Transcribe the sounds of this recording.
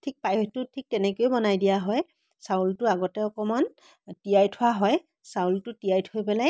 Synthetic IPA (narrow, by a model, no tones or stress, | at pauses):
tʰik̚pajtʊtʰik̚tɛnɛkojobɔnajdijaɦɔj | sawltʊaɡɔtɛɔkɔman | tijajtʰʊwaɦɔj | sawltʊtijajtʰojpɛlaj